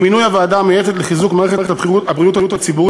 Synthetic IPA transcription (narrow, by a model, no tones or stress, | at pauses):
minujavaːdamejefe̞tleχizukmaːʁeχeʁetbiuabʁiutajutat͡sibuʁ